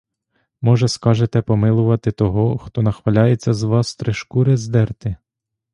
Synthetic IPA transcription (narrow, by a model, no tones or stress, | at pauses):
mɔʒɛskɑʒet̪ɛpɔmɪlˠʊʋɐt̪ɪt̪ɔɦɔxt̪ɔnɐxʋɐlʲɑjet͡sʲːɐzʋɑst̪ɾeʃkuɾɪzd̪ɛrt̪ɪ